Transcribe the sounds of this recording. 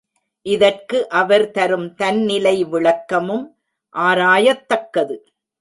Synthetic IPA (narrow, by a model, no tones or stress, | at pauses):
ʔɪðɐrkɯʔɐʋɐɾt̪ɐɾɯmt̪ɐnnɪlɐɪʋɪɭɐkːɐmɯm | ʔaːɾaːjɐt̪ːɐkːɐðɯ